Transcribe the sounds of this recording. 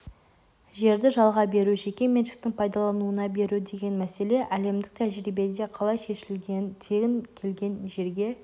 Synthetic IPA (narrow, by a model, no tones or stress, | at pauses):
ʒe̞ɾd̪ɪʒɑlˠʁɑbe̞ɾuʒe̞kʲe̞me̞nʃɪ̥k̚t̪ɪŋpʰɑjd̪ɑlˠɑnuənɑbe̞ɾud̪e̞ɡʲe̞nmæse̞le̞ʔæle̞md̪ɪk̚t̪ʰæʒɾijbe̞d̪e̞qʰɑlˠɑjʃe̞ʃɪlt̪ʰeɡʲɪŋkʲʰe̞lɡʲe̞nʒe̞ɾɡʲe̞